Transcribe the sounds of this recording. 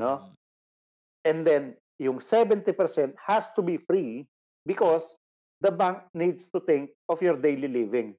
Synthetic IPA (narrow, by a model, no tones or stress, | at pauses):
no | ʔɛ̃nd̪ɛ̃n | jʊŋsɛvɛ̃nt̪ipɛɹsɛ̃nt̪̚hast̪ʊbifɹi | bɪkɔs | d̪ɐbãŋk̚nid̪st̪ʊt̪ɪ̃ŋk̚ɔfjɔɹd̪ejlilivɪ̃ŋ